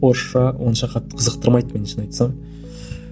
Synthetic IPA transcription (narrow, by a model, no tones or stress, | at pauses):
oɾʃɑwo̞nʃɑqʰɑt̪ːəqʰəzəq̚t̪əɾmɑjt̪̚me̞nʃɪnɑjt̪sɑɴ